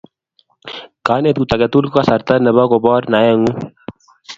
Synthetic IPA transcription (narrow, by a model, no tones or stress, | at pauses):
kaːnet̪̚kut̪ɐɡet̪ulkasɐɾt̪anəbakobɔːɾnajaŋu